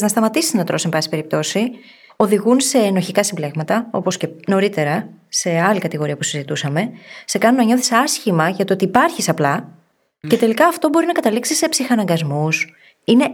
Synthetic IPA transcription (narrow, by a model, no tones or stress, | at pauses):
znɐst̪ɐmɐt̪isi̥snɐt̪ɾo̞sembɐsi̥pe̞ɾip̚t̪o̞si | o̞ðiɣunse̞ːno̞çikɐsimble̞ɣmɐt̪ɐo̞̰po̞sce̞no̞ɾit̪e̞ɾɐse̞ɐlikɐt̪iɣo̞ɾiɐpusizit̪usɐme̞se̞kɐnunːɐɲo̞θi̥sɐsçimɐʝɐt̪oot̪iːpɐɾçisɐplɐ | ce̞t̪e̞likɐːft̪o̞bo̞ɾinɐkɐt̪ɐliksisːe̞psixɐnɐŋɡɐzmus | ine̞